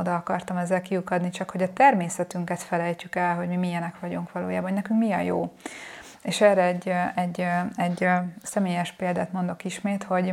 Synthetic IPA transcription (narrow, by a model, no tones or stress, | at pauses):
od̪ɒɒkɒrt̪ɒmɛzːɛlkiukɒd̪nit͡ʃɒkho̞ɟɒt̪ɛrmeːsɛt̪yŋkɛt̪fɛlɛjcykɛlɦo̞ɟmimijɛnɛkʋɒɟuŋkʋɒlo̰ːjaːbɒnnɛkyŋkmiɒjoː | eːʃɛːrɛɛɟːɛɟːɛɟːsɛmeːjɛʃpeːld̪a̰ːt̪mo̞nd̪o̞kiʃmeːt̪ho̞ɟ